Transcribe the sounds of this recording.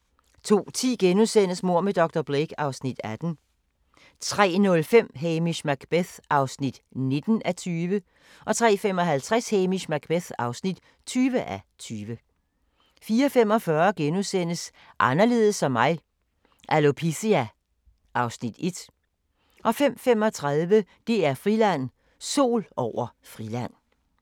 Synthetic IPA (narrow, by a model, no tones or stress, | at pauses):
t͡sʰo̝̰ːt͡sʰḭːɡ̥enusen̰əsmo̝ɐ̰med̥ɒ̽ɡ̥̚d̥ɐb̥ʁeɡ̥ɑ̈ʊsnid̥æd̥n̩ | t͡sʰʁɛ̰ːnɔ̽lfem̰ɦemiɕmæɡ̥b̥eθʔɑ̈ʊsnid̥ne̝d̥n̩ʔæt͡sʰyːʋə | ʔɒ̽t͡sʰʁɛ̰ːfem̰ɒ̽ɦælt͡sʰʁɛsheːmiɕmæɡ̥̚b̥eθɑ̈ʊsnid̥ | t͡sʰyːʋəʔæt͡sʰyːʋə | fiːɐfem̰ɒ̽fɶɐɡ̥enusen̰əs | ʔɑ̈nɐle̝ːðˠəsɒ̽mːɑ̈ɪ | ʔælopʰisiæ | ʔɑ̈ʊsnid̥e̝d̥ | ʔɒ̽fem̰fem̰ɒ̽t͡sʰʁɑðˠʋəd̥e̝æɐfʁilæn̰ | so̝̰ːlɒʊ̰ɐ | fʁilæn̰